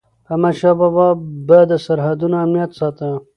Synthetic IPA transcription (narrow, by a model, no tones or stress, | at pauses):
pamaʃɑbɑbɑbəd̪əsaɾɦad̪unoamnijat̪sɑt̪ə